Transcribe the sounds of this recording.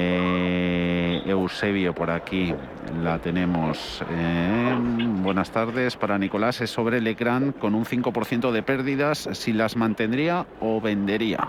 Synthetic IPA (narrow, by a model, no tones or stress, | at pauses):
ewse̞βjopo̞ɾaki | lat̪e̞nẽ̞mos | e | bwe̞nast̪aɾðe̞spaɾaniko̞lase̞soβɾelekɾaŋko̞nun̟θiŋko̞po̞ɾθje̞nt̪oð̞e̞pe̞ɾðiðasːilazmãnt̪e̞nd̪ɾiaoβe̞nd̪e̞ɾia̰